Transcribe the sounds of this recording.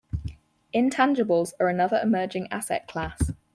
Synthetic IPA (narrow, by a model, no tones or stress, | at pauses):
ɪ̃ntʰãnd͡ʒəbəlˠzəɹənʌðəɹɪmɜːd͡ʒɪ̃ŋa̰sɛ̰ʔkʰl̥aˑs